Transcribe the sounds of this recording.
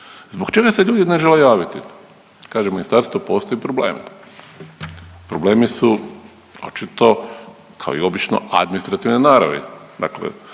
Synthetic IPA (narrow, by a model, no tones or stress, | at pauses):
zboɡt͡ʃe̞ɡase̞ʎuːd̪ineʒe̞lejaːʋit̪i | kaːʒeminist̪aːɾst̪ʋopo̞ːst̪ojipɾoble̞̰ːmḭ | pɾoble̞ːmisu | o̰t͡ʃit̪o̞kʰaoḭo̞bit͡ʃno̰a̰d̪minist̪ɾat̪iʋnenaːɾa̰ʋḛd̪a̰ːklḛ